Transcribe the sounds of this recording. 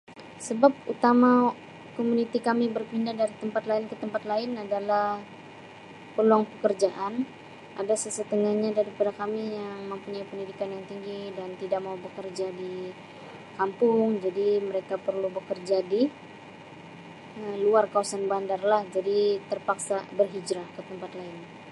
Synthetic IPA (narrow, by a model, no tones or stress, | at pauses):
səbap̚ut̪ama | komunit̪ikamibərpindahdaɾit̪əmpat̪laɪnkət̪əmpat̪laɪnadalah | pəluaŋpəkərd͡ʒaʔan | ʔadasəsət̪əŋahɲadaɾipadakamijaŋməmpuɲajpəndidikanjaŋt̪iŋɡidant̪idak̚maubəkərd͡ʒadi | kampʊŋd͡ʒadiməɾekapərlubəkərd͡ʒadi | əluarkawasanbandarlahd͡ʒadit̪ərpaksabərɦid͡ʒɾahkət̪əmpat̪laɪn